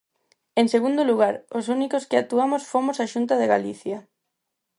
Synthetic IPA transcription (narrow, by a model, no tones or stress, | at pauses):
eŋseɣund̪oluɣaɾos̬unikoskɪat̪uamosfomosaʃunt̪aðeɣaliθja